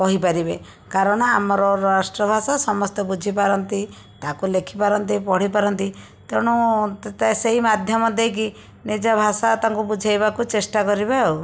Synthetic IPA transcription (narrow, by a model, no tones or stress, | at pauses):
kɔɦipaɾibe | kaɾɔɽ̃ɔamɔɾɔɾasʈɾɔbʱasasɔmɔst̪ebud͡ʒʱipaɾɔnt̪i | t̪akulekʰipaɾɔnt̪ipɔɽ̤ipaɾɔnt̪i | t̪eɽ̃ut̪et̪aseɦimad̪ʱjɔmɔd̪ejk̬i | nid͡ʒabʱasat̪aŋkubud͡ʒʱajbakut͡ʃesʈakɔɾibao